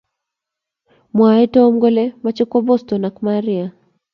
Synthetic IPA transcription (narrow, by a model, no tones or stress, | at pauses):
mwaɛtɔɔm̩ɡɔlɛmat͡ʃɛkwabɔstɔnakmaɾia